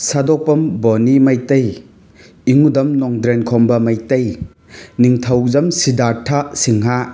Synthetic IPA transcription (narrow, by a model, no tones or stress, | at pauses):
sadɔpɐmbonimajtɐj | iŋudɐmnɔŋdɾenkʰɔmbɐmɐjtɐj | niŋtʰɐwzɐmsidatʰasiŋɦa